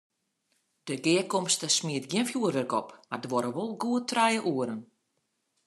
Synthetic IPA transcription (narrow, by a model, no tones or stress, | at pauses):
d̥əɡɪːəkɔmstəsmiətɡjɪnfjuərʋərkɔpmardəʋɔɾəʋolˠɡuətʰrɛjəʔuəɾən